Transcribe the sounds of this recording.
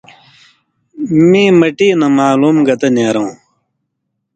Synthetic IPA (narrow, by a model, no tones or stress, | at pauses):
mĩːmɐʈiːnɐmaːluːmɡɐt̪ɐnjeːɾɐ̃ː